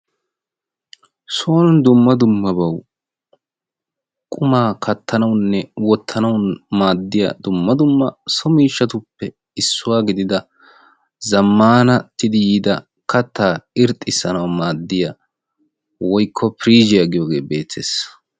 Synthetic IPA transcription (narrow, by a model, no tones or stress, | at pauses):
soːnnd̪ʊmːɐd̪ʊmːɐbɐw | kʼʊmaːkʰɐt̪ːɐnɐwnːɛwɔt̪ʰːɐnɐwnmaːd̪ːɪja̰ːd̪ʊmːɐd̪ʊmːɐsɔmiːʃːɐt̪ʊpːɛ | ɪsːʊwaːɡɪd̪ɪd̪ɐ | zɐmːaːnɐt̪ːɪd̪ɪjiːd̪ɐ | kɐt̪ːaːɪɾt̪ʼːɪsːɐnɐwmaːd̪ːɪja | wɔjkʰːɔpɪɾiːd͡ʒɪjaɡɪjoːɡe̞̰ːbe̞ːt̪ːe̞̰ːs